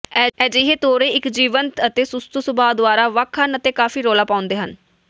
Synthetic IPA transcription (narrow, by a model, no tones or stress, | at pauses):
ɛːd͡ʒɪɦeːt̪oːɾeːɪkd͡ʒiːʋənt̪ət̪eːsʊst̪uːsʊbaːd̪ʋaːɾaːʋəkʰənət̪eːkaːfiːɾoːlaːpaːʊ̃nd̪eːɦən